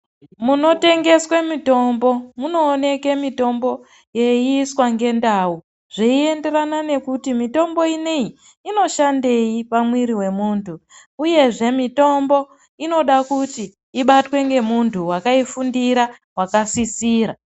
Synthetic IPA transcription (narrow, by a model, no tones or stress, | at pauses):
muno̞te̞ŋɡe̞swemito̞mbo̞muno̞ːne̞ke̞mito̞mbo̞ | je̞iːswaŋɡe̞ndawu | ʐ̥eie̞nde̞ɾanane̞kutimito̞mbo̞inei | ino̞ʃande̞ipamwiɾiwe̞muːntʰu | uje̞ʐe̞mito̞mbo̞ | ino̞ɗakuti | iɓatwe̞ŋɡe̞muntʰuwakaifundiɾa | wakasisiːɾa